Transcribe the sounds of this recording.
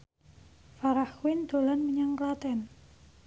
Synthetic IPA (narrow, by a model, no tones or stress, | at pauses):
faɾahwɪnd̪̥o̤lanməɲaŋklat̪ɛn